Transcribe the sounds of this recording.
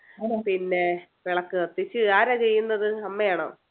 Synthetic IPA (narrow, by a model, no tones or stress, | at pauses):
pinːe̞ | ʋeɭɐkːɨɐt̪ːit͡ɕːɨaːɾaːt͡ɕejːunːɐðɨɐmːɐjaːɳo̰ː